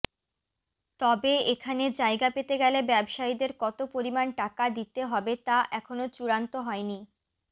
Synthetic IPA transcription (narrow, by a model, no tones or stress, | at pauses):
t̪ɔbeekʰaned͡ʑaeɡapet̪eɡɛlebɛbʃaid̪eɾkɔt̪opoɾimanʈakad̪it̪eɦɔbet̪aʔɛkʰonot͡ɕuɾant̪oɦɔeni